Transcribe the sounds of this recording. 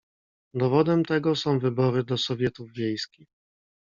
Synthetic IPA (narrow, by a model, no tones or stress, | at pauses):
d̪ɔvɔd̪ɛmt̪ɛɡɔsɔ̃w̃vɘbɔɾɘd̪ɔsɔvʲjɛt̪uvvʲjejskʲix